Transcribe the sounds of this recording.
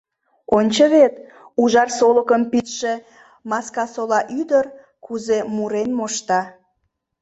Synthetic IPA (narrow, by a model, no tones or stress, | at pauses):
onʲt͡ɕəβet̪ | uʒɑrsoləkəmpit̪ʃe̽ | mɑskɑsolɑʔyd̪ər | kuzemuɾenmoʃt̪ɑ